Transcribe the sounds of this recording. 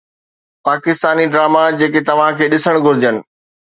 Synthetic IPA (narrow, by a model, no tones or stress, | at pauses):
paːkɪst̪aːniɖɾaːmad͡ʑeːket̪ɐʋ̤ãkʰeːɗɪsəɽ̃ɡʱʊɾɪd͡ʑənɪ̆